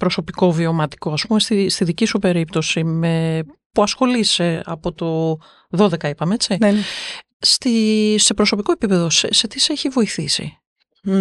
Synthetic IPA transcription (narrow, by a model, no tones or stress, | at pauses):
pɾo̞so̞piko̞vio̞mɐt̪i̥ko̞ɐspumest̪ist̪iðicisupe̞ɾipt̪o̞simepuɐsxo̞lise̞ɐ̰po̞t̪o̞ | ðo̞ðe̞kɐipɐmeet͡sin | st̪ise̞pɾo̞so̞piko̞e̞pipe̞ðo̞sese̞t̪iseeçivo̞iθisḭ